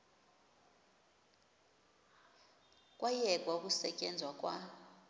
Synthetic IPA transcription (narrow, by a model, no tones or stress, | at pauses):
kʼwajɛkʼwauk̬ʼusɛcʼɛnd͡zʱwakʼwa